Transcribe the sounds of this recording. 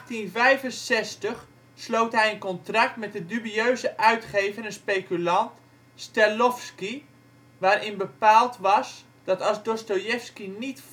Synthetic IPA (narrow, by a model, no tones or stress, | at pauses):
tinvɛjvənsɛstəχ | slowtɦɛjənkɔntrɑk̚tmɛt̚dədybiøɥzəʔœɥtχejvənənspejkylɑnt | stɛlɔfski | ʋaːɾʔɪnbəpaːlˠtʋɑs | d̥ɑtɑzdostojɛfskinit